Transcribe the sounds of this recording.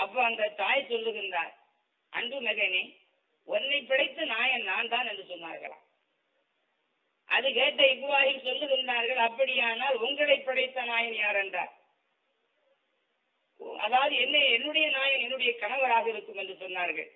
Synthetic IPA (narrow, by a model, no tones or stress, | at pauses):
ɐpːɐɐŋɡ̪ɐt̪aːjsɔlːɯɣɪnd̪a̰ːɾ | ʔɐ̰ɳɖɯmɛɣɐneː | ɔnːɐɪpːɪɽɐɪt̪ːɐnaːjɐnnaːnt̪aːnɛndrɯsɔnːa̰ːɾɣɐ̰ɭa̰ː | ʔɐðɯkeːʈːɐɪʋʋaːɣɪksɔlːɯɣɪnd̪aːɾɣɐɭɐpːɐɽɪjaːnaːlʊŋɡɐɭɐɪpːɪɽɐɪt̪ːɐnaːjɐnjaːɾɛnda̰ːɾ | ɐ̰ðaːʋɐðɯɛnːeɛnːɯɽɐjɐnaːjɐnɛnːɯɽɐjɐkɐnɐʋɐɾaːɣɐɪɾɯkːɯmɛndrɯsɔnːaːɾɣɐ̰ɭ